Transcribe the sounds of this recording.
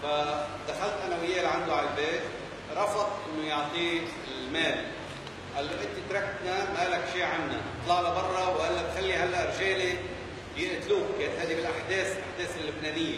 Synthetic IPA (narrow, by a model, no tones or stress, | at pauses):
fad̪axalt̪ʔanawɪjːeːlʕand̪ʊʕallbeːt̪ | ɾˤɑfɑt̪ˤʔɪnːojʊʕt̪ˤiː | ɪlmeːl | ʔalːoʔɪnt̪it̪ɾˤɑkːt̪namalakʃiːʕanːanɨt̪ˤlɑʕlabɑrˤːɑwʔalːabxalːiɦalːaʔɾʃeːli | bjɪʔt̪luːkeːnt̪haːd̪ibɪlʔaħd̪eːslʔaħd̪eːsɪlːʊbneːnɪjːa